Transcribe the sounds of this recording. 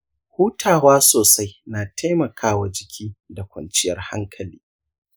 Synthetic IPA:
huː˦tʰaː˨waː˦soː˨sa˦jnaː˨tʰa˦jmɐ˨kʰaː˦wa˨d͡ʒɪ˨kʲʰiː˦da˨kʷɐ̰˨nt͡ʃɪ˦jɐ˨rha̰˦ŋkʰɐ˨lḭː˦

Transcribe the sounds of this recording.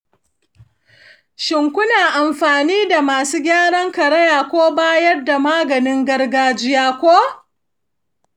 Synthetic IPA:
ʃɪ˨ŋkʷʊ˦naː˨ʔa˨mɸaː˨niː˦da˨maː˨suː˦ɡʲaː˦ɽɐ˦ŋkɐ˨ɽɐ˦jaː˨kʷoː˦baː˦jɐ˦rda˨maː˦ɡɐ˨nɪ˦ŋɡɐ˦rɡaː˦d͡ʒɪ˦jaː˦kʷoː˦

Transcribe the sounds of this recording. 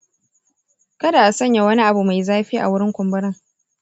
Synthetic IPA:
kɐ˦da˨ʔa˨sɐ˦ɲja˨wɐ˦ni˦ʔa˨bu˨ma˨jzaː˦ɸiː˦ʔa̰˨wʊ˦ɽɪ˦ŋkʷʊ˨mbɐ˦ɾɪ˦ŋ

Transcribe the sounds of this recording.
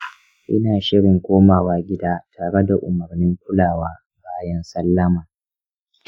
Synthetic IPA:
ʔɪ˦naː˨ʃɪ˦ɽɪ˨ŋkʷoː˦maː˨waː˦ɡʲɪ˦daː˦tʰaː˨ɽe˦da˨ʔʊ˨mɐ˨rnɪ˦ŋkʷʊ˦laː˨waː˦ | baː˦jɐ˦nsɐ˦lːɐ˦maː˨

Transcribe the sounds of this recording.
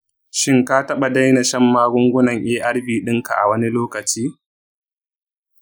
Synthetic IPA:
ʃɪ˦ŋkaː˦tɐ˦ɓa˨da˦jna˨ʃɐ˦mːaː˦ɡʷʊ˦ŋɡʷʊ˦nɐ˨ŋʔeː˦ʔa˦ɽbiː˨ɗɪ˦ŋka̰˨ʔa̰˨wɐ˦ni˦loː˦kɐ˨t͡ʃiː˦

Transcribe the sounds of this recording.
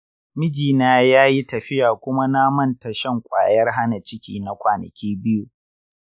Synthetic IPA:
mɪ˦d͡ʒiː˨naː˦jaː˦ji˦tɐ˨ɸɪ˦jaː˨kʷʊ˦ma˦na˦mɐ˦˨nta˨ʃɐ˦˨ŋkʷʼa̰ː˨jɐ˦rɦa˦na˨t͡ʃɪ˦kʲḭː˨na˦kʷaː˨nɐ̰˨kʲiː˦bɪ˦juː˨

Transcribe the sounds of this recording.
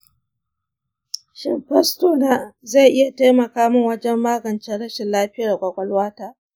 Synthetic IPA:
ʃɪ˨mɸɛ˦stoː˨na˦za˦˨ʔɪ˦ja˨taː˦jmɐ˨kaː˦mʊ˦ŋwɐ˦d͡ʒɛ˦mːaː˦ɡɐ˨nt͡ʃɛ˦ɽɐ˦ʃɪ˨nlaː˦ɸɪ˦jaː˨kʷʼɐ˨kʷɐ˦lwaː˦taː˨

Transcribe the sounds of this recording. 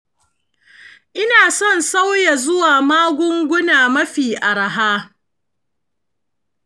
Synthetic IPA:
ʔɪ˦naː˨sɔ˦˨nsa˦wja˨zʊ˦waː˨maː˦ɡʷʊ˦ŋɡʷʊ˦naː˨mɐ˦ɸiː˨ʔa˨ɽa˨ɦaː˦

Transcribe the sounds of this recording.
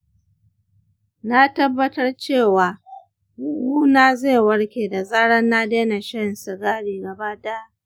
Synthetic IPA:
na˦tɐ˦bːɐ˦tɐ˦rt͡ʃeː˦˨waː˨ | wu˦huː˦naː˦zeː˦˨wɐ˦ɽkʲeː˨da˨zaː˦ɽɐ˦nːaː˦deː˦na˨ʃɐ˦nsɪ˨ɡaː˦ɽiː˨ɡɐ˨baː˦daː˦

